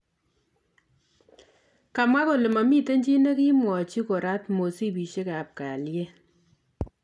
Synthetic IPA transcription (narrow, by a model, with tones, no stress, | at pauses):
ka˨mwa˦ko˨lɪ˨ma˨mi˦te˦ɲd͡ʒi˦ne˦ki˦mwɔ˨t͡ʃi˦ko˨ɾa˦tmo˨si˦pi˨ʃe˦ka˨p̚ka˨lje˦